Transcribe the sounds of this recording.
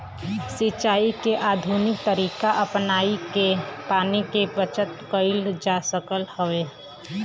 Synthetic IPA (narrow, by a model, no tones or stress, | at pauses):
sɪt͡ʃaːikeʔaːd̪ʱunɪk̚t̪əɾiːkaʔəpnaːikepaːnikebət͡ʃət̪kəɪld͡ʒasəkəlhəʋeː